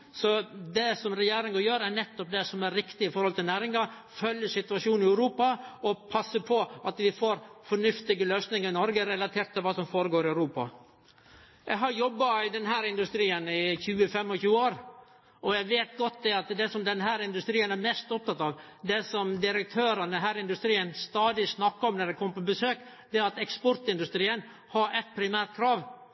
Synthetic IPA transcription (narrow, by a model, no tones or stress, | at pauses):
sɔd̪ɛsɔmɾɛjeːɾɪŋɑjøːɾæɳɛt̪ːɔp̚d̪ɛsɔmæɾːɪkt̪ɪɪfɔɾhɔlt̪ɪlnæːɾɪŋɑ | fœljəʂɪt̪ʉɑʂuːnɪæʉɾuːpɑɔpʰɑsːəpʰɔʔɑt̪ʋɪfoːɾfɔɳʉft̪ɪɡəløːsnɪŋəɾɪnɔɾɡəɾɛlɑt̪ʰeːɾʈt̪ʰːɪlʋɑːsɔmfoːɾəɡoːɾɪœʉɾuːpɑ̰ | jæɦɑɾjɔbːɑɪd̪ɛnɦæːɾɪnd̪ʉst̪ɾiːənɪçʉːəfɛmːɔçʉːəoːɾ | ʔɔjæʋeːt̪ɡɔt̪̚d̪ɛɑt̪d̪ɛsɔmd̪ɛnɦæːɾɪnd̪ʉst̪ɾiːənæɾmɛst̪ɔp̚t̪ɑt̪ɑʋd̪ɛsɔmd̪ɪɾək̚t̪ʰøːɾənəɦæːɾɪɪnd̪ʉst̪ɾiːənst̪ɑːd̪ɪsnɑkːəɔmnɛɾɛkʰɔmpɔbəsøːk | d̪ɛæɾɑt̪ɛkspɔɾʈ̪ɪnd̪ʉst̪ɾiːən | hɑɾʔɛt̪̚pʰɾɪmæːɾt̪̚kʰɾɑːʋ